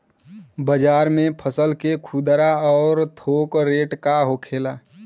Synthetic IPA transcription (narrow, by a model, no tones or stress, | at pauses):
bəd͡ʒaːɾmẽpʰəsəlkekʰud̪ɾaɔːɾt̪ʰoːkɾeːʈkaɦokʰeːla